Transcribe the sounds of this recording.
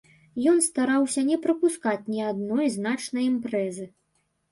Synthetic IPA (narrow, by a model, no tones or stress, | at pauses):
jɔnst̪aɾawsʲɐnʲɛpɾɐpuskat͡sʲnʲiad̪nɔjznat͡ʂnɐjimpɾɛzɨ